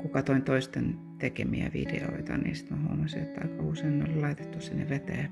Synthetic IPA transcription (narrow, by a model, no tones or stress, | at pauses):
kukɑt̪oint̪oist̪en | t̪ekemiæʋḭd̥ḛo̰it̪ɑnḭːsi̥t̪mæhuoɑmɑsiet̪ːɑikɑuseinːo̰llɑit̪et̪ːussenːeʋet̪æː